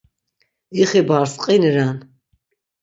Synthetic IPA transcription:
iχibaɾsqʼinɾan

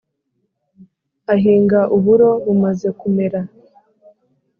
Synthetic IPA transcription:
aɦiːŋɡaʔuβuɾo̞βumaze̞kume̞ɾa

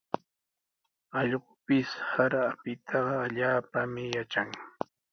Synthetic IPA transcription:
ɑʎɢʊpɪshaɾapɪt̪ʰɑɢɑːʎaːpamɪjat͡ʃaŋ

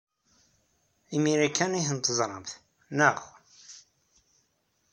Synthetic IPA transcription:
imiɾikanihənt̪əzˤɾˤəmθ | nəʁ

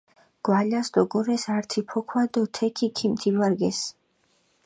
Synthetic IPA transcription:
ɡ̥walasd̪̥ɔɡɔɾɛsaɾt̪ʰipʰɔkʰwad̪ɔt̪ʰɛkʰikʰimt̪ʰivaɾɡɛs

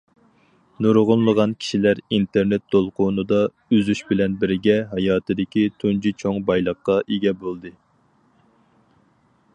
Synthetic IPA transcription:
nuɾʁʊnlˠəʁɑnkʲʰi̥ʃilæɾint̪ʰeɾnet̪̚ːʰolˠqʰʊnɨd̪ɑ | yzyʃbɪlɛnbɪɾɪɡʲɛɦɑjɑːt̪ʰɨd̪ɪkʲit̪ʰund͡ʒit͡ʃʰoŋbɑjlˠəqːɑʔeɡʲɛbolˠd̪ɨ

